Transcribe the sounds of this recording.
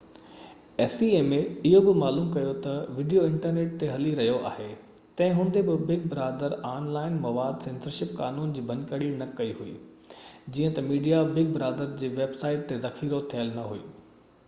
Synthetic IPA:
ɛːsieːmẽɪɦobɪmaːluːmkɐjot̪ɐʋɪɖijoɪ̃ɳʈəɾneːʈ̚t̪eɦɐliɾɐɦijoʔa̰ːɦe | t̪ɐ̃ɦɪ̃ɦʊ̃nd̪ebɪbɪɡ̚bɪɾaːd̪əɾaːnlaːɪnmɐʋaːd̪sẽːnsəɾʃɪp̚kaːnuːnd͡ʑiːbʱɐ̃nkəɽinɐkɐiɦuḭː | d͡ʑiːə̃t̪ɐmiːɖijabɪɡ̚bɪɾaːd̪əɾd͡ʑeːʋeːbsaːɪʈ̚t̪ːezɐxiːɾot̪ʰijəlnɐɦuḭː

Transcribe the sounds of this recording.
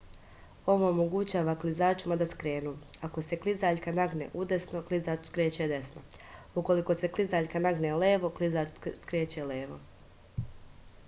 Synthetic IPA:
o̞ʋo̞ːmo̞ɡut͡ɕaːʋaklizaːt͡ʃimad̪askɾe̞ːnuːako̞se̞klizaːʎkanaɡnḛʔud̪e̞sno̞klˠizaːt͡ʃskɾeːt͡ɕed̪e̞sno̞ | uko̞liko̞se̞klizaːʎkanaɡneleːʋo̞klizaːt͡ʃskɾeːt͡ɕeleːʋo̞̰

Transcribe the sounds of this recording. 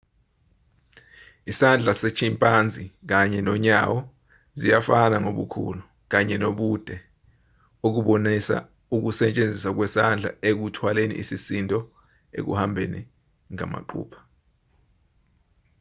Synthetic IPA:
isand͡ɮʱaset͡ʃʰimpʼand͡zʱik̬aɲɛnɔɲawɔ | zijafanaŋoɓṵkʰṵlu | k̬aɲɛnoɓud̥ʱɛ | uk̬uɓonisa̰ | uk̬usɛt͡ʃʼend͡zʱisak̬wɛsand͡ɮʱa̰ek̬utʰwalenḭʔisisintʼɔ | ḛk̬ṵhambʱeni | ŋa̰ma̰ǃṵːpʰḁ

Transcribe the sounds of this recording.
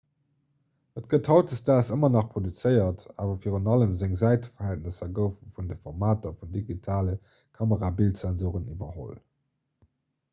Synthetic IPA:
ətɡ̥əthɑʊtəstaːsəmɐnɑχpʁodut͡səɪɐtaːvɐfiːʁənɑləmzæŋzæɪtə̥fɐhælt̚nəsɐɡəʊffundəfɔʁmaːtɐfundiɡitʰaːlə | kʰɑməʁaːbiltsɛnzuːʁənivɐho̰l

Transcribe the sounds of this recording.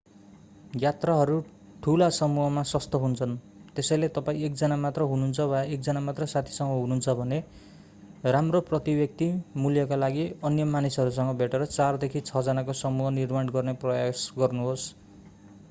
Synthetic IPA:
jat̪raɦʌɾu | ʈʰulasʌmuɦʌmasʌst̪ʌɦunt͡sʰʌn | t̪esʌjlet̪ʌpaĩekd͡zʌnamat̪rʌɦununt͡sʰʌbʱʌaek̚d͡zʌnamat̪rʌsat̪ʰi̥sʌŋɡʌɦununt͡sʰʌbʱʌne | ramroprʌt̪ibjʌk̚t̪imuljʌkalaɡiʌnjʌmanisɦʌɾusʌŋɡʌbʱeʈeɾʌt͡sard̪ekʰit͡sʰʌd͡zʌnakosʌmuɦʌnirmanɡʌrneprʌjasɡʌrnuɦos

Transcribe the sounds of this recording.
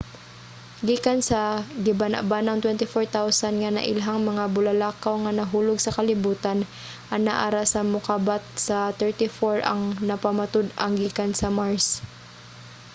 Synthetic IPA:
ɡiːkansɐɡɪbana̰ʔbanɐŋt̪wɛnt̪ɪfoɹt̪awsanŋanɐ̰ʔɪlɦaŋmɐŋabʊlɐlaːkawŋanɐɦuːlʊɡ̚sɐkɐlɪbuːt̪an | ʔɐnaʔaɾasɐmʊkaːbat̪̚sɐt̪ɛɹt̪ɪfoɹɐ̰ŋnɐpɐmat̪ʊd̪ɐŋɡiːkansɐmaɹs

